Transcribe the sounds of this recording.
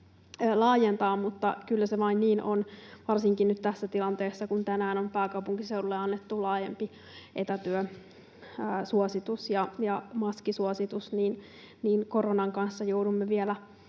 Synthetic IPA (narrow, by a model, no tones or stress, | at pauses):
lɑːjent̪ɑːmmut̪ːɑ̰kylːæseʋɑinniːnonʋɑrsiŋkinnyt̪t̪æsːæt̪ilɑnt̪eːsːɑkunt̪ænæːnompæːkɑwpuŋkiseululːeɑnːet̪ːulɑːjempi | ʔet̪æt̪yøː | suosit̪usjɑjɑmɑskisuosit̪usniːn | niːnko̞ronɑŋkɑnsːɑjoudumːeʋielæ